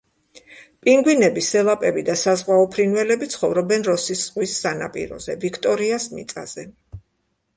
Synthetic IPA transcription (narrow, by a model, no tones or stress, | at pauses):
pʼiŋɡwinɛbisɛlˠapʼɛbid̪asazʁwaɔpʰɾinvɛlɛbit̪sʰχɔvɾɔbɛnɾɔsisʁwisːana̰pʼḭɾɔ̰zɛvikʰt̪ʼɔɾiasmḭt̪sʼa̰z̥ɛ